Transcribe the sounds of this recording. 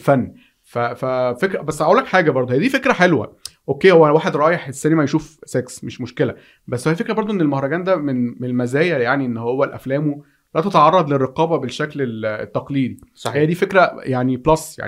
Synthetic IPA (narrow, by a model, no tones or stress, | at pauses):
fænː | fæfæfekɾæbæsːʕʔulːækħaːɡæbɑɾˤd̪ˤhejːæd̪iːfekɾæħelwæ̰ʔokːeːhowːæwaːħed̪ɾˤɑːjeħʔesːæːnimæjʃuːfseksmeʃmoʃkelæ | bæsːhælfekɾæbɑɾˤd̪ˤoʔenːelmohɾˤɑɡæːnd̪æmenmenelmæzæːjæjaʕniʔenːhowːælʔæ̰flæːmu | læt̪æt̪ɑʕɑrˤːɑd̪ˤlerːeqɑːbæbeʃːæklelt̪ːɑqliːd̪iejæd̪iːfekɾæjaʕniblɑsˤja̰ʕ